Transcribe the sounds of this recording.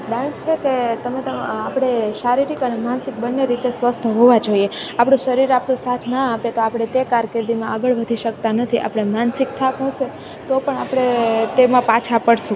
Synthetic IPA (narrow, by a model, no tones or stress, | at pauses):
ɖãnst͡ʃʰeket̪əmet̪əapɽ̃eʃaɾiɾikənemansɪk̚bənːeɾit̪esʋəst̪ʰəɦoʋad͡ʒoieapɳ̃ũʃəɾiɾapɳũsat̪ʰnəapet̪oapɽ̃et̪ekaɾked̪imãaɡəɭʋəd̪ʱiʃəkt̪anət̪ʰiʔa̰pɽ̃emansik̚t̪ʰakɦəʃe | t̪opəɳapɽ̃et̪emãpat͡ʃʰapəɽʃũ